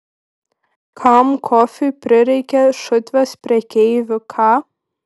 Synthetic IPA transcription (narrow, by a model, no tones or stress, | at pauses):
kʰɑmkʰɔfʲɪpʲɾʲɪɾʲɛɪkʲɛʃʊt̪ʲʋʲɛspʲɾʲɛkʲɛɪʋʲɪkʰɑ